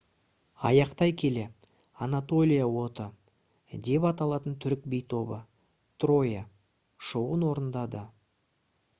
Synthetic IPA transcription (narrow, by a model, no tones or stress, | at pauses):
ɑ̰jɑqt̪ɑjkʲʰe̞le̞ | anat̪o̞lʲijawo̞t̪ə | d̪e̞pɑt̪ɑlˠɑt̪ənt̪ʰʏɾɪk̚bejt̪ʰo̞bə | t̪ro̞ja | ʃowənwo̞ɾənd̪ɑd̪ə